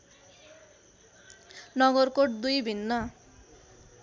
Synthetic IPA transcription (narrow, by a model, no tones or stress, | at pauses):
nʌɡʌrkoʈ̚d̪ujbʱinːʌ